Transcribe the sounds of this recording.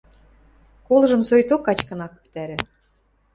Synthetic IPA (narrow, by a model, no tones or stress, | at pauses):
kolʒɤ̆msojt̪okːɑt͡ɕkɤ̆nɑky̥pt̪æɾɘ̆